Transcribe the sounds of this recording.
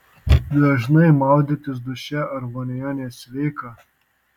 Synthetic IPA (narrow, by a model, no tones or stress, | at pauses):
d̪ɐʒnɐɪmɑˑʊd̪ʲɪt̪ʲɪs̬d̪ʊʃʲɛɐɾmɔnʲɛjoːnʲesʲʋʲɛɪkɑ